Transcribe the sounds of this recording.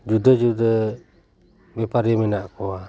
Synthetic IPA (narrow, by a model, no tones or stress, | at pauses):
d͡ʒudəd͡ʒudə | bɛpaɾimɛnaʔkɔa